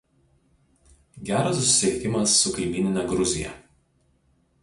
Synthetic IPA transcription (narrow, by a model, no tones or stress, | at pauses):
ɡʲæːɾɐsːʊsʲɪsʲɪɛɪkʲɪmɐsːʊkɐɪmʲiːnʲɪnʲɛɡɾʊzʲɪjɛ̰ˑ